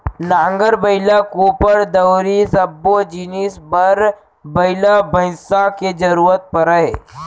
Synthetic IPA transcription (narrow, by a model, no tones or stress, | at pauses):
nãːŋɡəɾbəɪlakuːpəɾd̪əwɾisɐbːod͡ʒinisbəɾ | bɐɪlabə̃ɪ̃saked͡ʒɐɾuːɾət̪̚pəɾəɦeː